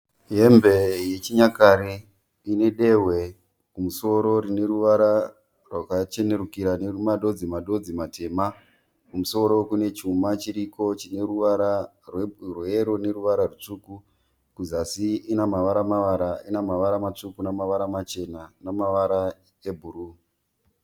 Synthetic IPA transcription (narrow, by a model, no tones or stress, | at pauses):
ɦe̞mbe̞jet͡ʃiɲakaɾe | ine̞ɗe̞ɦwe̞ | kumuso̞ɾo̞ɾine̞ɾuʋaɾa | rwakat͡ʃe̞ne̞ɾukiɾaneumaɗo̞d͡zimaɗo̞d͡zimatʰe̞ːma | kumuso̞ɾo̞kune̞t͡ʃumat͡ʃiɾiko̞t͡ʃine̞ruʋaɾa | rwrweɾo̞ne̞ɾuʋaɾarut͡ʂuku | kuzasiːnamaʋaɾamaʋaɾainamaʋaɾamat͡ʂukunamaʋaɾamat͡ʃe̞nanamaʋaɾa | ebʱuru